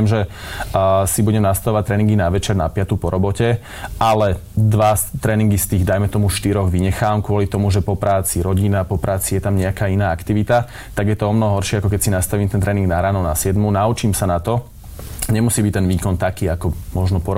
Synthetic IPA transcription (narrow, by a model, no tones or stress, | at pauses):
ɛmʒɛ | sibuɟɛmnast̪aʋɔʋatct̪ɾɛːniŋɡinaʋɛt͡ʃɛɾnapɪat̪upɔɾɔbɔcɛ | ʔalɛd̪ʋast̪ɾɛːniŋɡist̪iːɣd̪ajmɛt̪ɔmuʃt̪iɾɔɣʋiɲɛxaːamkʊɔlit̪ɔmuʒɛpɔpɾaːt͡siɾɔɟinapɔpɾaːt͡sijɛt̪amɲɛakaːinaːakt̪iʋit̪a | t̪aɡjɛt̪ɔɔmnɔɦɔɦɔɾʃɪɛakɔkɛcsinast̪aʋiːmt̪ɛnt̪ɾɛːniŋɡnaɾaːnɔnasɪɛd̪munaut͡ʃiːmsanat̪ɔ | ɲɛmusiːbic̚t̪ɛnʋiːkɔnt̪akiːakɔmɔʒnɔpɔɾɔ